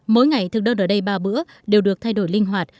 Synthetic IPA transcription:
mo̰˧˦jŋa˨˩jt̪ʰɨ˨˩k̚ɗəː˧nʔəː˧˩ɗə˧jɓaː˧˩ɓɨ̰˧˥ə | ɗe˨˩wɗɨ˨˩ək̚t̪ʰa˧jɗo˧˩jlï˧ŋɦwaː˨˩t̚

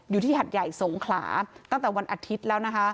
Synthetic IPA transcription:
juː˨t̪ʰiː˥˩ɦa˨˩t̪̚ja˨˩jso˩˦ŋkʰla̰ː˩˦t̪a˥˩ŋt̪ɛ˨˩wa˧nʔaː˧t̪ʰi˦˥t̪̚lɛː˦˥wna˦˥kʰa˦˥

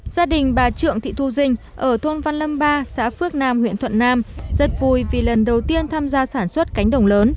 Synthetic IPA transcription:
z̥aː˧ɗï˨˩ŋ̟ɓaː˨˩t͡ɕɨ̰˧˨əŋt̪ʰḭ˧˨t̪ʰu˧zï˧ŋ̟ | ʔəː˧˩t̪ʰo˧nva˧nlə˧mɓaː˧sa̰ː˧˥fɨ˦˥ək̚naː˧mhw̰ḭ˧˨ənt̪ʰə̰˧˨nːaː˧mzə˨˩t̚vu˨˩jvi˨˩lə˨˩nɗə˨˩wt̪i˧ənt̪ʰaː˧mzaː˧saː˧˩nswə˦˥t̚ka˨˦jŋ̟ɗə˨˧˩wŋ͡mləː˨˦n

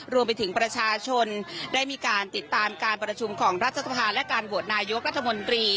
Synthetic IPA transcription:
ɾu˧əmp̬a˧jt̪ʰɯ˩˦ŋpɾa˧t͡ɕʰaː˧t͡ɕʰo˧ndaː˥˩jmiː˧kaː˧nt̪i˨˩t̪ːaː˧mkaː˧npɾa˧t͡ɕʰu˧mkʰɔː˩˦ŋɾa˦˥t̪ʰːa˧˩sa˧pʰaː˧lɛ˦˥kaː˧nbu˨˩ət̪̚naː˧jo˦˥k̚ɾa˦˥t̪ʰːa˧mo˧nt̪ɾiː˧

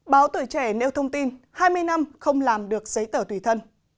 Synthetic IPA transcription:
ɓaː˨˦wt̪u˧˩˨jt͡ɕɛ˧˩ne˧wt̪ʰə˧wŋ͡mt̪i˧n | haː˧jmɨ˧əjna˧mxə˧wŋ͡mlaː˨˩mɗɨ˨˩ək̚zə˨˦jt̪əː˧˩t̪wi˧˩t̪ʰə˧n

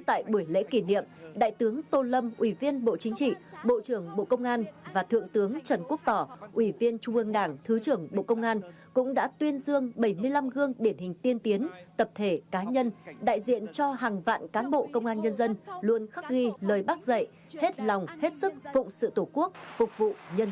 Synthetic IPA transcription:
t̪a̰ː˧˨jɓu˧˩əjlḛ˧˥ki˧˩nḭ˧˨əmɗa̰ː˧˨jt̪ɨ˨˦əŋt̪o˧˩lə˧mʔwi˧˩vi˧ənɓo̰˧˨t͡ɕï˨˦ŋ̟t͡ɕḭ˧˨ɓo̰˧˨t͡ɕɨ˧˩əŋɓo̰˧˨kə˧wŋ͡mʔaː˧nvaː˨˩t̪ʰɨ̰˧˨əŋt̪ɨ˨˦əŋt͡ɕə˨˩nku˦˥ək̚t̪ɔ˧˩ʔwi˧˩vi˧ənt͡ɕʊ˧ŋ͡mʔɨ˧əŋɗaː˧˩ŋt̪ʰɨ˨˦t͡ɕɨ˧˩əŋɓo̰˧˨kə˧wŋ͡mʔaː˧n | kʊ̰˧˥ŋ͡mɗa̰ː˧˥t̪wi˧ənzɨ˧əŋɓə˧˩jmɨ˧əjla˧mɣɨ˧əŋɗi˨˧˩ənhï˨˩ŋ̟t̪i˧ənt̪i˨˦ənt̪ə˨˩p̚t̪ʰe˧˩kaː˨˦ɲə˧nɗa̰ː˧˨jzḭ˧˨ənt͡ɕɔ˧ɦaː˨˩ŋva̰ː˧˨nkaː˨˦nɓo̰˧˨kə˧wŋ͡mʔaː˧nɲə˧nzə˧nlu˧ənxa˦˥k̚ɣi˧ləː˨˩jɓa˦˥k̚zə̰˧˨j | he˦˥t̚lɔ˨˩wŋ͡mhe˦˥t̚sɨ˦˥k̚fʊ̰˧˨ŋ͡msɨ̰˧˨t̪o˧˩ku˦˥ək̚fʊ˨˩k͡p̚vṵ˧˨ɲə˧n

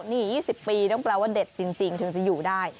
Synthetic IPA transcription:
niː˥˩jiː˥˩si˨˩pːiː˧t̪ɔ˥˩ŋplɛː˧waː˥˩de˨˩t̪̚t͡ɕi˧ŋt͡ɕi˧ŋt̪ʰɯ˩˦ŋt͡ɕa˨˩juː˨˩daː˥˩j

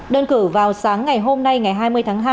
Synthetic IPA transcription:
ɗə˧nkɨ˧˩vaː˨˩wsaː˨˦ŋːa˨˩jɦo˧mna˧jŋa˨˩jɦaː˧jmɨ˧əjt̪ʰaː˨˦ŋɦaː˧

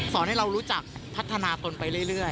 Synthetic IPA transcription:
sɔː˩˦nha˥˩jɾa˧wɾuː˦˥t͡ɕa˨˩k̚pʰa˦˥t̪ʰːa˧naː˧t̪o˧npa˧jɾɯ˥˩əjɾɯ˥˩əj

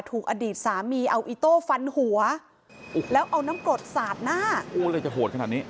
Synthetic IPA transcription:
t̪ʰuː˨˩k̚ʔaː˧diː˨˩t̪̚saː˩˦miː˧ʔa˧wʔiː˧t̪oː˥˩fa˧nhu˩˦ɐ˩ | lɛː˦˥wʔa˧wnaː˦˥mkɾo˨˩t̪̚saː˨˩t̪̚naː˥˩ʔoː˧˩lɤː˧jt͡ɕa˨˩ɦoː˨˩t̪kʰa˧naː˨˩t̪̚niː˦˥

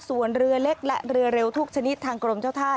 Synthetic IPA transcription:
su˩˦ənɾɯ˧ɐle˦˥k̚lɛ˦˥ʔɾɯ˧ɐɾe˧wt̪ʰu˦˥k̚t͡ɕʰa˧ni˦˥t̪ʰːaː˧ŋkɾo˧mt͡ɕaː˥˩wt̪ʰaː˥˩j

